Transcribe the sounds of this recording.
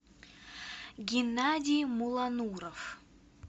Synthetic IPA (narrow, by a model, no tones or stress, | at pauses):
ɡʲɪnːadʲijmulˠanuɾəf